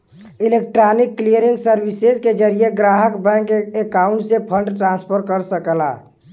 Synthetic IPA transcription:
ilek̚ʈɾanikːlijəɾiŋsəɾbisezked͡ʒəɾijeɡɾaɦəkbɛ̃ŋkekaʊ̃ɳʈsepʰə̃ɳɖʈɾãnspʰəɾkəɾsəkəla̰

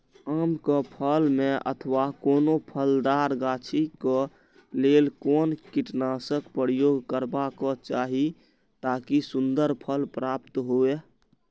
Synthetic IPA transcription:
aːmkəpʰəlmẽʔə̰t̪ʰəʋakoːnopʰəld̪aɾɡaːt͡ʃʰikɔ | lelkoːnkiʈnasəkpəɾjoːɡkəɾbakɔt͡ʃaɦi | t̪aːkisund̪əɾpʰəlpɾaːpt̪ɦoe

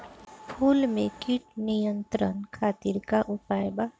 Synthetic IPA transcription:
pʰuːlmẽkiʈnijə̃nt̪ɾənkʰaːt̪iɾkaʔʊpaːjbaː

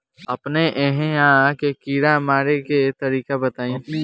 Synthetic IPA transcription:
ɐpneʔeɦẽãːkekiːɾamaːɾeket̪ɐɾiːkabɐt̪aːĩ

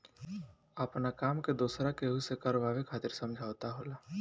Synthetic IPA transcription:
əpnakaːmked̪uːsɾakeɦusekaːɾoʋaːʋekʰaːt̪ɪɾsɐ̃md͡ʒʱaːʊt̪aɦoːlaː

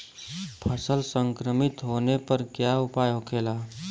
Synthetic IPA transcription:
pʰəsəlsə̃ŋkɾəmɪt̪ɦoːnepəɾkjaʊpaːjokʰeːlaː

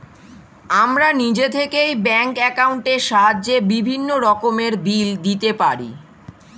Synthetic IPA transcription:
amɾanid͡ʑet̪ʰekejbɛŋkɛkauɳʈeʃaɦaːebibʱinːoɾɔkomeɾbild̪it̪epaɾḭ

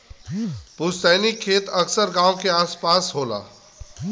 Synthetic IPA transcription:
pussaːnikʰːeːt̪ɐksəɾɡãːõkeaːspaːsɦoːla̰ː

